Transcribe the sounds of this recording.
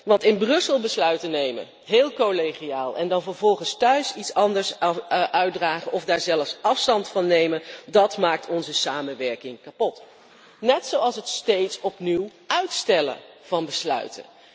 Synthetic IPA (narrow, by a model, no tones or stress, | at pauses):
ʋɑntɪnbrɵsəlˠbəslœɥtənejmə̰ | ɦɪːlˠkoleχijaːlˠɛ̰ndɑnvəɹvɔlˠχənstœɥsitsɑndəɹsʔœɥdraːχəʔɔfdaːɹzɛləfsɑfstɑntfɑnːejməndɑtmaːk̚tʰɔnzəsaːmənʋɛɹkɪŋkapɔt | nɛtsowɑlˠsətstejtsɔpniwʔœɥtstɛlə̰ | v̥ɑnbəslœ̰ɥtə̰n